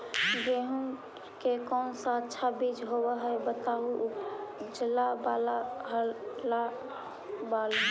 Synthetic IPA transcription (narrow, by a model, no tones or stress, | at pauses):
ɡeɦũ | kekɔːnsaətːʃʰabid͡ʒɦobɛɦəjbət̪aɦuʔd͡ʒəlabalaɦəla | bal